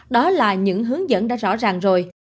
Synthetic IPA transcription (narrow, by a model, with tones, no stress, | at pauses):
ɗɔ˨˦laː˨˩ɲɨ̰˧˥ŋɦɨ˨˦əŋzə̰˧˨nɗa̰ː˧˥zɔ̰˧˥zaː˨˩ŋzo˨˩j